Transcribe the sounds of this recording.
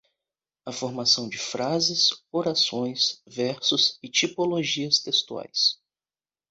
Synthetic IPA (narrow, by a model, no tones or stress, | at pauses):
ɐfoɾmasɐ̃w̃d͡ʒɪfɾazɪsoɾasõj̃svɛɾsʊsɪt͡ʃipoloʒiɐst̪est̪ua̰js